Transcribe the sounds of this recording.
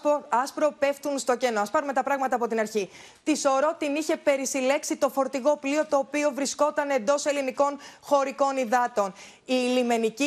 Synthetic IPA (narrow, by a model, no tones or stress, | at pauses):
ɐspɾo̞pe̞ft̪unst̪o̞ce̞noɐspɐɾume̞t̪ɐpɾɐɣmɐt̪ɐːpo̞t̪inɐɾçi | t̪iso̞ɾo̞t̪iniçe̞pe̞ɾisile̞ksit̪o̞fo̞ɾt̪iɣo̞plio̞t̪o̞ːpio̞vɾisko̞t̪ɐne̞nd̪o̞se̞liniko̞nxo̞ɾiko̞niðɐt̪o̞n | iːlime̞nici